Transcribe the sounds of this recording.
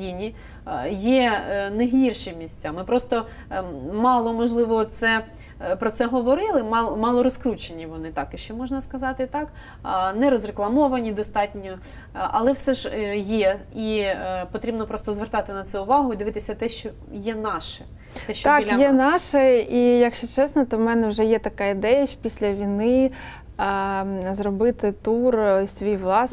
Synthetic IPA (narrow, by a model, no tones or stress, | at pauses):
jinʲi | jɛneɦʲirʃɪmʲisʲt͡sʲamɪpɾɔst̪ɔ | mɑlˠɔmɔʒlˠɪʋɔtt̪sɛ | pɾɔt̪sɛɦɔʋɔɾɪlˠɪmɑmɑlˠɔɾɔskɾut͡ʃenʲiʋɔnɪt̪ɑkɪʃt͡ʃɔmɔʒnɐskɐzɑt̪ɪt̪ɑk | nɛɾɔzreklˠɐmɔʋɐnʲid̪ɔst̪ɑtʲnʲɔ | ɐlˠɛwsɛʒjɛipɔt̪ɾʲibnɔpɾɔst̪ɔzʋert̪ɑt̪ɪnɐt̪sɛʊʋɑɦʊd̪ɪʋɪt̪ɪsʲɐt̪ɛʃt͡ʃɔ | jɛnɑʃɛ | t̪ɛʃt͡ʃt̪ɑlʲjɛnɑʃɛijɐkʃt͡ʃɔt͡ʃɛsnɔt̪ɔmɛnɛwʒɛjɛt̪ɐkɑid̪ɛjɐ̥pʲisʲlʲɐʋʲijnɪ | zɾɔbɪt̪ɪt̪ursʲʋʲijʋlˠɑs